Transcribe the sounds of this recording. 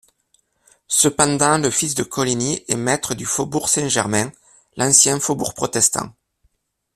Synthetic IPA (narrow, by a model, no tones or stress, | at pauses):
səpɑ̃d̪ɑ̃ləfisd̪əkʰɔliniʔɛ̰mɛt̪χəd̪yfobuʁsɛ̃ʒɛʁmɛ̃ | lʔɑ̃sjɛ̃fobuʁpχɔt̪ɛst̪ɑ̰̃